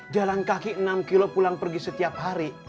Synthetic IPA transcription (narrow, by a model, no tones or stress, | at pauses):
d͡ʒalankakiənamkilopulaŋpərɡisət̪iap̚ɦaɾi